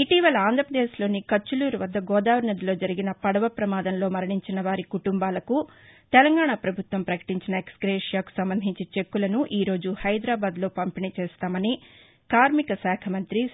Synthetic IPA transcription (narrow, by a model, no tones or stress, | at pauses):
iʈiːʋɐlɐaːnd̪ʱɾɐpɾɐd̪eːʃlo̞ːnikɐt͡ʃːuluːɾuʋɐd̪ːɐɡɔːd̪aːʋɾɐnɐd̪ilo̞ːd͡ʒɐɾiɡinɐpɐɽɐʋɐpɾɐmaːd̪ɐmlo̞ːmɐɾɐɳiɲt͡ʃinɐʋaːɾikuʈumbaːlɐku | t̪ɛlɐŋɡaːɳapɾɐbʱut̪ʋɐmpɾɐkɐ̥ʈiɲt͡ʃinɐeksɡɾeːʂijaːku̥sɐmbɐnd̪ʱiɲt͡ʃit͡ʃe̞kːulɐnuʔiːɾo̞ːd͡ʒuhɐjd̪ɾaːbaːd̪lo̞ːpɐmpinit͡ʃeːst̪aːmɐni | kaːɾmikɐsɛːkʰɐmɐnt̪ɾi